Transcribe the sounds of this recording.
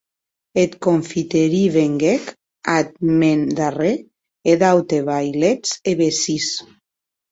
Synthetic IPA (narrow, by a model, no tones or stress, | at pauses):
et̪koɱfit̪eɾiβeŋɡek | at̪̚mend̪are | eðawt̪eβajlet͡seβesis